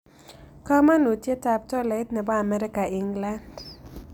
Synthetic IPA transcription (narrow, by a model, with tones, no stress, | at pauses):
ka˦ma˦no˨tje˦ta˨p̚tɔ˦la˨˦tnɛ˨bɔ˦a˨mɛ˦ɾɪ˦ka˨ɪ˨ŋɡla˦nd